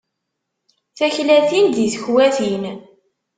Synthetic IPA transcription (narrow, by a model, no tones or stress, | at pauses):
θæçlæθind̪iθə̥çwæθin